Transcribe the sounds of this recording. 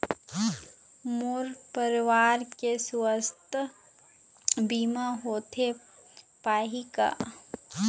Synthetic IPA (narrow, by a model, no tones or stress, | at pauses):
mʊɾpəɾʋaːɾkesʊəst̪ | biːmãɦoːt̪ʰe | paːɦika̰ː